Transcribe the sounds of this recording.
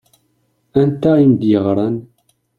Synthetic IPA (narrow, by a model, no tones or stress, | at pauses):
ænt̪æimd̪jəʁɾˤɑn